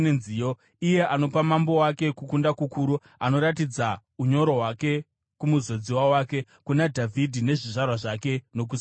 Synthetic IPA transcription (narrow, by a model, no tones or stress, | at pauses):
enzio | ije̞ʔano̞pamambo̞wake̞kukundakukuːɾu | ano̞ɾatid͡za | uɲo̞ɾo̞ɦwake̞ | kumuzo̞d͡ziwawake̞ | kunadʱavʱidʱine̞ʐiʐarwaʐake̞no̞k̬us